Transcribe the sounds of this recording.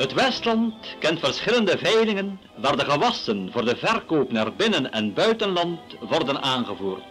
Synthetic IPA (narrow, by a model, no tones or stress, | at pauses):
ɦətʋɛstlɑntkɛntfərsχɪləndəvɛjlɪŋən | ʋaːrdəχəʋɑsənvʊːrdəvɛrkoːpnaːrbɪnənɛnbœɥtənlɑntʋɔrdənʔaːnχəvuːrt